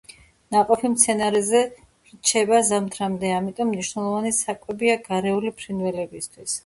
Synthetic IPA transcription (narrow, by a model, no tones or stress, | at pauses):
naqʼɔpʰimt̪sʰɛnaɾɛzɛ | ɾt͡ʃʰɛbazamt̪ʰɾamd̪ɛamit̪ʼɔmːniʃwnɛlˠɔvanisakʼwɛbiaɡaɾɛulipʰɾinvɛlɛbist̪ʰwis